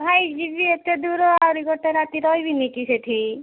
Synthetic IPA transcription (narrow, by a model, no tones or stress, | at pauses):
bʱajd͡ʒibʱiet̪ːed̪uɾoawɾiɡoʈeɾat̪iɾɔjbʱinikiseʈʰi